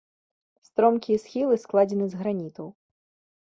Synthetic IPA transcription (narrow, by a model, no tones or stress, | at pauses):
st̪ɾɔmkʲijɛsxʲilˠɨsklˠad͡zʲɛnɨzɣɾanʲit̪ɐw